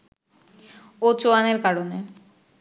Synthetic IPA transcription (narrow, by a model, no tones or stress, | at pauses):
ot͡ɕoaneɾkaɾone